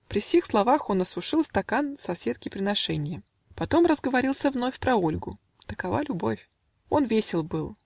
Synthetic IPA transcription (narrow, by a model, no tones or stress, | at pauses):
pɾʲɪfsʲexslˠɐvaxo̞nɐsʊʂɨlˠst̪ɐkansɐsʲe̞t̪̚kʲɪpɾʲɪnɐʂɛnʲɪjə | pɐt̪o̞mrəzɡəvɐɾʲilˠsʲəvnofʲpɾɐo̞lʲɡʊ̰ | t̪əkɐva̰lʲʊbo̞̰fʲ | o̞nvʲesʲɪlˠbɨlˠ